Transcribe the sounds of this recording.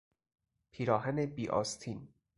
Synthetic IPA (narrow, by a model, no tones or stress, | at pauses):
pʰiːɾɒːɦænebiːʔɒ̰ːst̪ʰiːn